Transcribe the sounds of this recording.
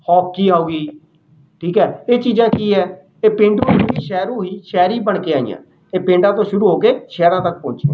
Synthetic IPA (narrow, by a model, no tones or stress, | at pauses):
hɔːkkiːaːuːɡiː | ʈʰiːkɛːeːt͡ʃiːzãːkiːɛː | eːpɪ̃ːɳɖɾũːiːʃɛːɾõːɦiːʃɛːɾiːbəɳkeːaːḭjã̰ː | eːpẽːɳɖãːt̪õːʃʊɾuːɦoːkeːʃɛːɾãːt̪ək̚pɔ̃ːnt͡ʃe